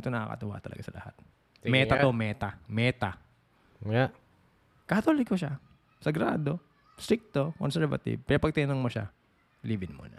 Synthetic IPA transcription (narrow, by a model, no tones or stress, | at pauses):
ʔɪt̪onɐa̰kɐ̰t̪ʊwa̰ʔt̪ɐlɐ̰ɡasɐlɐ̰ha̰t̪̚ | mɛːt̪at̪omɛːt̪amɛːt̪a | kɐt̪oːlɪɡ̚koʃa | sɐɡɾa̰ːd̪o | st̪ɾɪk̚t̪okɔnsɛɹvɐ̰t̪ɪ̰b̚pɛɾopɐɡ̚t̪ɪnɐnoŋmoʃa̰ | liːbɪnmo̰nɐ